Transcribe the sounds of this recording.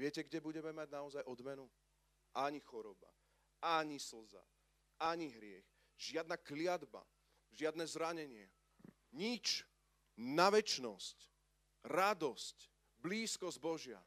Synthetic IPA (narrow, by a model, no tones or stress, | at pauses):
ʋɪɛcɛɡɟɛbuɟɛmɛmaɟnaɔzajɔd̪mɛnu | ʔaɲixɔɾɔba̰ | aɲisl̩za̰ | aɲiɦɾɪɛx | ʒ̥ɪad̪naklɪad̪ba̰ | ʒɪad̪nɛzɾaɲɛɲɪɛ̰ | ɲit͡ʃ | naʋɛt͡ʃnɔsc | ɾad̪ɔsc | bliːskɔzɟbɔʒɪa̰